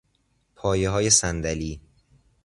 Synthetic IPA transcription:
pʰɒːjeɦɒːjesænd̪æliː

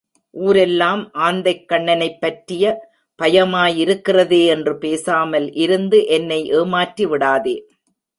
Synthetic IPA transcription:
ʔuːɾɛlːaːmʔaːnd̪ɐɪkːɐɳːɐnɐɪpːɐʈrɪjɐ | pɐjɐmaːjɪɾɯkːɪrɐðeːɛndrɯpeːsaːmɐlʔɪɾɯnd̪ɯʔɛnːɐɪʔeːmaːʈriʋɪɽaːðeː

